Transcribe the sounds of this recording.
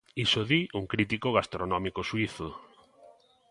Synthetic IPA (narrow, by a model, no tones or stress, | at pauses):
isoðiʔuŋkɾit̪ikoɣast̪ɾonɔmikoʃwiθʊ